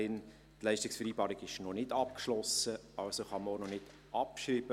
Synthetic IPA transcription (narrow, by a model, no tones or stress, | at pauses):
ɪn | tlɛɪʃtɪksfɛɾiːbɑːɾɪɡɪʃnɔnɪdɑp̚kʃlɔsəɑlsoχɑməonɔnɪd̥ | ʔɑpʃɾiːb̥ə